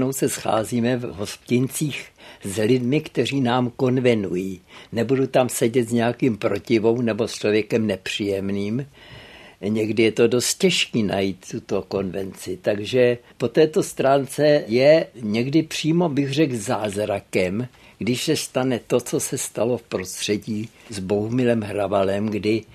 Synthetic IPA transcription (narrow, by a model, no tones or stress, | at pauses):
no̞wsɛsxa̰ːziːmɛvɦo̞spcɪnt͡siːxzlɪdmɪkt̪ɛr̝iːnaːmko̞nvɛnujiːnɛbudut̪amsɛɟɛt̪zɲɛakiːmpɾo̞cɪvo̞wnɛbo̞st͡ʃlo̞vjɛkɛmnɛpr̝̥iːjɛmniːm | ɲɛɡdɪjɛt̪o̞do̞st̪̚cɛʃkiːna̰jiːt̪ːut̪o̞ko̞nvɛ̰nt͡sɪt̪aɡʒɛpo̞t̪ɛːt̪o̞st̪ɾaːnt͡sɛjɛɲɛɡdɪpr̝̥iːmo̞bɪxr̝ɛɡzaːzɾakɛm | ɡ̥dɪʃsɛst̪anɛt̪o̞t͡so̞sɛst̪alo̞fpɾo̞st̪r̥ɛɟiːzboumɪlɛmɦɾavalɛmɡdɪ